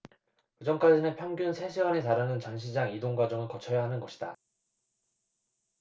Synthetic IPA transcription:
kɯd͡ʑʌmk͈ad͡ʑinɯnpʰjʌŋɡjunsʰe̞ɕʰiɡwanetaɾanɯnt͡ɕʌnɕʰid͡ʑaŋidoŋɡwad͡ʑʌŋɯɭkʌt͡ɕʰʌjaɦanɯnɡʌɕʰida

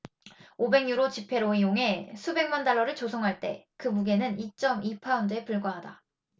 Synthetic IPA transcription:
obe̞ŋɲuɾot͡ɕipʰe̞ɾoijoŋe̞sʰube̞ŋmandaɭːʌɾɯɭt͡ɕosʰʌŋɦaɭt͈e̞̰kɯmuɡe̞nɯnit͡ɕ͈ʌmipʰaundɯe̞puɭɡwaɦada

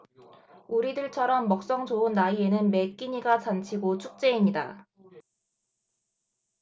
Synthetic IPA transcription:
uɾidɯɭt͡ɕʰʌɾʌmːʌk̚s͈ʌŋt͡ɕoɯnːaie̞nɯnme̞k͈iɲiɡat͡ɕant͡ɕʰiɡot͡ɕʰuk̚t͡ɕ͈e̞imɲida̰

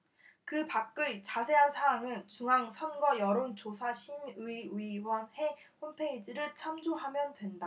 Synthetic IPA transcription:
kɯpak̚k͈ɯɭt͡ɕasʰe̞ɦansʰaaŋɯnt͡ɕuŋɦaŋsʰʌnɡʌjʌɾont͡ɕosʰaɕʰimɯiɯiwʌnhe̞ | hompʰeid͡ʑiɾɯɭt͡ɕʰamd͡ʑoɦamjʌndwe̞nda

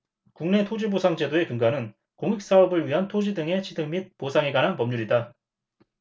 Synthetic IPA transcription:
kuŋne̞tʰod͡ʑibosʰaŋd͡ʑe̞doe̞kɯŋɡanɯn | koŋik̚s͈aʌbɯɭɥiɦantʰod͡ʑidɯŋe̞t͡ɕʰidɯŋmit̚posʰaŋeɡanɦanpʌmɲuɾida

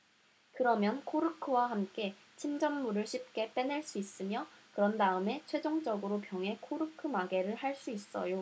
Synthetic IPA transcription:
kɯɾʌmjʌnkʰoɾɯkʰɯwaɦamk͈e̞ | t͡ɕʰimd͡ʑʌmːuɾɯɭɕʰip̚k͈e̞p͈e̞neɭs͈uis͈ɯmjʌkɯɾʌndaɯme̞t͡ɕʰwe̞d͡ʑoŋd͡ʑʌɡɯɾopjʌŋe̞kʰoɾɯkʰɯmaɡe̞ɾɯɭhaɭs͈uis͈ʌ̰jo

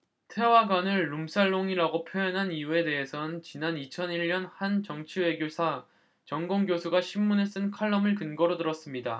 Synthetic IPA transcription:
tʰe̞waɡanɯɭːumsʰaɭːoŋiɾaɡopʰjojʌnɦanijue̞de̞ɦe̞sʰʌnt͡ɕinanit͡ɕʰʌniʎːʌnhant͡ɕʌŋt͡ɕʰiwe̞ɡjosʰa | t͡ɕʌŋɡoŋɡjosʰuɡaɕʰimːunes͈ɯnkʰaɭːʌmɯɭkɯnɡʌɾodɯɾʌs͈ɯmɲida

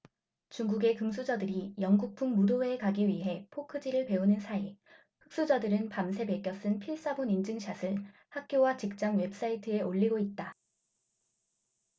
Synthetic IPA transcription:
t͡ɕuŋɡuɡe̞kɯms̬ʰud͡ʑʌdɯɾijʌŋɡuk̚pʰuŋmudoeːkaɡiɥiɦe̞pʰokʰɯd͡ʑiɾɯɭpe̞onɯnsʰai | ɸɯ̥k̚s͈ud͡ʑadɯɾɯnpamsʰe̞be̞k͈jʌs͈ɯnpʰiɭs͈abonind͡ʑɯŋɕʰasʰɯɭ | hak̚k͈jowat͡ɕik̚t͡ɕ͈aŋwe̞p̚s͈aitʰɯe̞ʔoʎːiɡoit̚t͈a

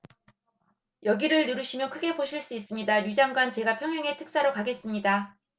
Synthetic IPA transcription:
jʌɡiɾɯɭnɯɾuɕʰimjʌkʰɯɡe̞poɕʰiɭs͈uis͈ɯmɲidajud͡ʑaŋɡwant͡ɕe̞ɡapʰjʌŋɦʌŋe̞tʰɯ̥k̚s͈aɾokaɡe̞s͈ɯmɲida

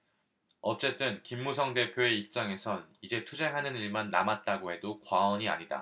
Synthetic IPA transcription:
ʌt͡ɕ͈e̞t͈ɯnkimːusʰʌŋde̞pʰjoe̞ip̚t͡ɕ͈aŋe̞sʰʌnid͡ʑe̞tʰud͡ʑe̞ŋɦanɯniɭmanːamat̚t͈aɡoɦe̞dokwaʌɲia̰ɲida̰

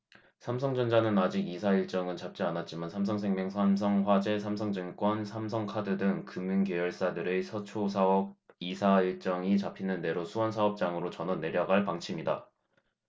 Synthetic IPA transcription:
sʰams̬ʰʌŋd͡ʑʌnd͡ʑanɯnad͡ʑiɡisʰaiɭt͡ɕ͈ʌŋɯnt͡ɕap̚t͡ɕ͈ianat̚t͡ɕ͈imansʰamsʰʌŋsʰeŋmjʌŋsʰams̬ʰʌŋɸwad͡ʑe̞sʰamsʰʌŋd͡ʑɯnk͈wʌnsʰamsʰʌŋkʰadɯdɯŋkɯminkjejʌɭs͈adɯɾe̞sʰʌt͡ɕʰosʰaʌbisʰaiɭt͡ɕ͈ʌŋit͡ɕapʰinɯnde̞ɾosʰuwʌnsʰaʌp̚t͡ɕ͈aŋɯɾot͡ɕʌnʌne̞ɾjʌɡaɭpaŋt͡ɕʰimida̰

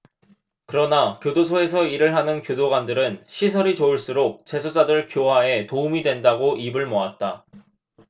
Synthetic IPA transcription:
kɯɾʌnakjodosʰoe̞sʰʌiɾɯɭɦanɯnkjodoɡwandɯɾɯnɕʰisʰʌɾit͡ɕouɭs͈uɾok̚t͡ɕe̞sʰod͡ʑadɯɭkjoɦae̞toumidwe̞ndaɡoʔibɯɭmoat̚t͈a

